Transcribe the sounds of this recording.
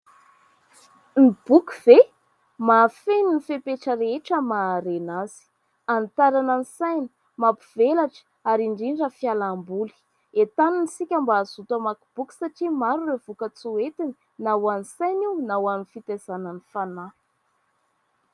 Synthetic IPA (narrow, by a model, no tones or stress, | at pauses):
nib̥ukuv̥e | mafeninifepeʈ͡ʂəɾeeʈ͡ʂəmaɾenaz̥i̥ | ant̪aɾananisajni̥ | mapivelaʈ͡ʂə̥ | aɾiɳɖ͡ʐiɳɖ͡ʐəfjalambuli̥ | et̪aninisikʲambaːzut̪əmakub̥uki̥saʈ͡ʂimaɾurevukət͡suet̪ini̥ | nawanisajniwnawanifit̪ezanənifana